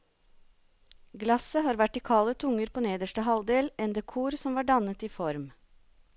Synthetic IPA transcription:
ɡlɑsəɦɑːɾʋæʈːiːkʰɑːlət̪ʰʊŋəɾpʰoːneːd̪əʃʈəɦɑld̪eːlɛnd̪ekʰuːɾsɔmʋɑːɖɑnət̪iːfɔɾm

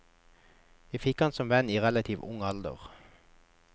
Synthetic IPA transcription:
æfɪkɑnsɔmʋɛniːʁɛlɑt̪ʰiːʋʊ̰ŋɑld̪ə̰ʁ

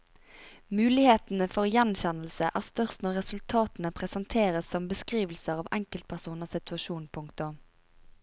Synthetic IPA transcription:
mʉːlɪheːt̪n̩əfɔʁjɛnçɛnlsəʔæːʁst̪œʁst̪nɔʁɛsʉlt̪ʰɑːt̪n̩əpʰʁɛsɑnt̪ʰeːʁəsːɔmbəskʁiːʋlsəʁɑːʋɛŋkəlt̪̚pʰæʁsuːnəsɪt̪ʉɑʃuːnpʰʊŋkt̪ʊm

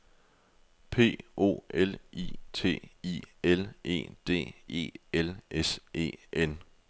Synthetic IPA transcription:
pʰe̝̰ːo̝̰ːʔelḭt͡sʰe̝̰ːḭele̝̰ːd̥e̝̰ːe̝̰ːelesʔe̝̰ːʔen

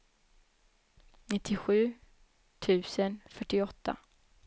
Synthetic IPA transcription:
nɪt̪ʰːɪɧʉ̟ː | t̪ʰʉ̟ːsənfœʈːɪɔt̪ʰːa̰

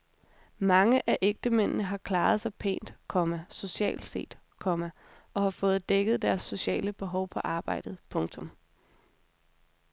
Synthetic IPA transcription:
mɑ̈ŋəʔæʔeɡ̥̚d̥əmen̰nəɦɑ̈kʰlɑ̈ːð̞̩ˠsɑ̈ɪpʰe̝̰ːnd̥kʰɒ̽mæso̝ɕiɛ̰ːld̥se̝̰ːd̥ | kʰɒ̽mæ | ʔɒ̽hɑ̈fɔ̽ːð̩ˠd̥eɡ̥əð̞̩ˠd̥æɐsːo̝ɕɛ̰ːləb̥e̝ɦɒʊpʰɒ̽ʔɑ̈ːb̥ɑ̈ɪ̰d̥ð̞̩ˠpʰɔ̽ŋt͡sʰɔ̽m

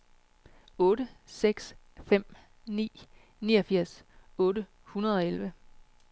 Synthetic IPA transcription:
ɔ̽ːɾəseɡ̥s | fem̰ | nḭː | niːɒfiɐ̰sɔ̽ːɾə | hunɐð̞ˠɒ̽elʋə

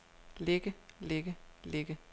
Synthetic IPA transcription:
leɡ̥əleɡ̥əle̝ɡ̥ə

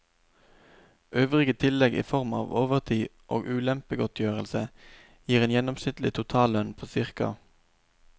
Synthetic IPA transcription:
ʔøːʋʁɪɡət̪ʰɪlɛɡʔḭːfɔʁmɑ̰ːʋoːʋəʁt̪ʰiːʔo̰ːɡʉːlɛmpəɡɔt̪ʰjøːʁəlsə | jiːʁeːnjɛnɔmsnɪt̪lɪt̪ʰʊt̪ʰɑːlœnpʰoːsɪʁkɑ̰

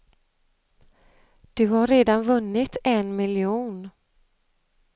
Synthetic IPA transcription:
d̪̥ɵhaɾeːd̪anvɵnːɪt̪ɛnmɪljuːn

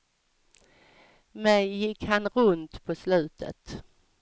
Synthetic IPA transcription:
mɛjɪkhanɾɵnt̪pʰɔslʉ̟ːt̪ʰə̰t̪

